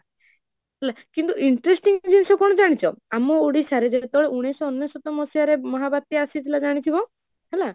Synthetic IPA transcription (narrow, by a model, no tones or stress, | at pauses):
ɦɛlakint̪uʔiɳʈɾesʈiŋd͡ʒinsɔkɔɽ̃ɔd͡ʒaɽ̃it͡ʃʰɔ̰amɔoɽisaɾed͡ʒeet̪ɔɭeʔuɽ̃esɔɔnːjɔsɔt̪ɔmɔsijaɾemɔɦabat̪ːiasit̪ʰilad͡ʒaɽ̃it̪ʰibɔ | ɦɛla